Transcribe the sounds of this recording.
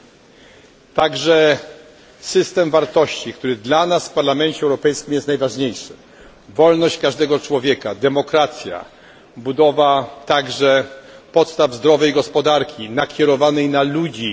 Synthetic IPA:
t̪aɡʐɛ | sɘst̪ɛmvaɾt̪ɔɕt͡ɕikt̪uɾɘd̪lanasfpaɾlamɛnt͡ɕɛwɾɔpɛjskʲimjɛst̪najvaʐɲejʂɛ | vɔlnɔɕt͡ɕkaʐd̪ɛɡɔt͡ʂwɔvʲjɛkad̪ɛmɔkɾat̪sʲja̰ | bud̪ɔvat̪aɡʐɛpɔt̪st̪avzd̪ɾɔvɛjɡɔspɔd̪aɾkʲinakʲɛɾɔvanɛjnalud͡ʑi

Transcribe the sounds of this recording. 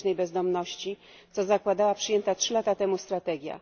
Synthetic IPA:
nɛjbɛzd̪ɔmnɔɕt͡ɕi | t̪sɔzakwad̪awapʂɘjɛnt̪atʂɘlat̪at̪ɛmust̪ɾat̪ɛɡʲja̰

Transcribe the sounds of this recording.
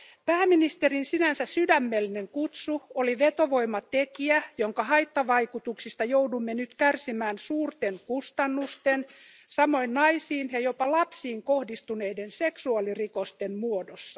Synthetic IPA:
pæːminist̪erinsinænsæssydæmːelːineŋkut̪suoliʋet̪oʋo̞imːɑt̪ekiæjoŋkɑhɑjt̪ːɑʋɑjkut̪uksist̪ɑjowdumːenyt̪kærsimæːnsuːrt̪eŋkust̪ɑnːust̪en | sɑmo̞innɑisiːnjɑjo̞pɑlɑpsiːŋkohdist̪une̞idense̞ksuɑlirikost̪emmuodosːɑ

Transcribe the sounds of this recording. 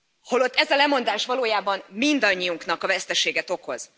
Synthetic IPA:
holo̞t̪ːɛzɛlɛmo̞nd̪aːʃʋɒloːjaːbɒmmind̪ɒɲːijuŋknɒkɒvɛst̪ɛʃeːɡɛt̪o̞ko̞z̥

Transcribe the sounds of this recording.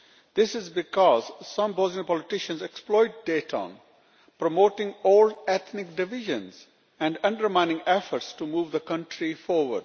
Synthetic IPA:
d̪̥ɪsɪzbɪkɔːzsʌ̃mbɔːznijopɔːlɪʈɪʃə̃nzeksplɔɪʈ̚ɖeːʈʰɔ̰̃n | pɾomoːʈɪ̃ŋɔːlɛt̪ʰnɪk̚ɖɪʋɪʒə̃nz | ɛ̃ɳɖʌ̃ɳɖəɾmãɪ̃nɪ̃ŋɛfəɾʈsʈumuːʋd̪əkʌ̃ɳʈɾifɔːɾʋə̰ɾɖ

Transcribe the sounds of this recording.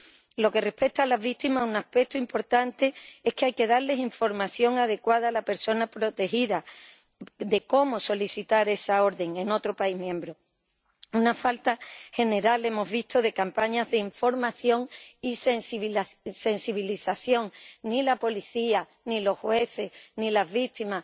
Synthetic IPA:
lo̞ke̞re̞hpe̞k̚t̪aːlazβikt̪imasunahpe̞k̚t̪oimpo̞ɾt̪ant̪e̞e̞hkeajke̞ðaɾle̞siɱfo̞ɾmaθjo̞ŋað̞e̞kwaðaːlape̞ɾso̞napɾo̞t̪e̞xiða | d̪e̞ko̞mo̞so̞liθit̪aɾe̞sao̞ɾðe̞ŋe̞no̞t̪ɾopaiɦmjẽ̞mbɾo̞ | unafalt̪ahe̞ne̞ɾale̞mo̞zβit̪oðe̞kampaɲazðeiɱfo̞ɾmaθjo̞ŋisensse̞nsiβ̞iliθaθjo̞ŋnilapo̞liθia | nilo̞hhwe̞θe̞nilazβit̪ima

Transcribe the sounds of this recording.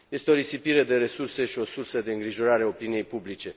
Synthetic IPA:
je̞st̪eo̞ɾisipiɾed̪e̞ɾe̞surse̞ʃio̞sursəd̪e̞ɨŋɡɾiʒo̞ɾaɾeaopinije̞jpublit͡ʃe̞

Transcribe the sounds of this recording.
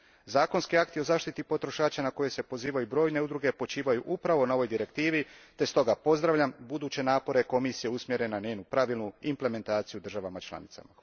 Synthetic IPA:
zaːko̞nskiakt̪io̞zaːʃt̪it̪ipo̞t̪ɾo̞ʃaːt͡ɕanako̞je̞se̞po̞ziːʋajubɾo̞ːjne̞ud̪ɾuɡe̞po̞t͡ʃiːʋajuʔupɾaʋo̞nao̞ʋo̞jd̪iɾe̞kt̪iːʋit̪e̞st̪o̞ɡapo̞zd̪ɾaʋʎʲambud̪uːt͡ɕe̞naːpo̞ɾe̞ko̞misije̞usmjeɾe̞naneːnupɾaʋilnuimple̞me̞nt̪aːt̪sijud̪ɾr̩ʒaʋamat͡ʃlˠa̰nit̪sa̰ma

